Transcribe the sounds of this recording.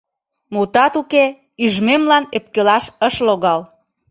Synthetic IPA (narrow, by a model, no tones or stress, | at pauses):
mut̪ɑt̪uke | yʒmemlɑnep̚kelɑʃəʃloɣɑl